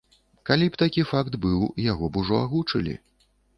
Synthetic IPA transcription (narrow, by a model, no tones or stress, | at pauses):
kalʲipt̪akʲifakt̪bɨwjaɣɔbuʐɔaɣut͡ʂɐlʲḭ